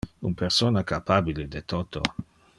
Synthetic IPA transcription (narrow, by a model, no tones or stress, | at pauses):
ṵnpeɾsoːnakapabiled̪et̪ot̪o̰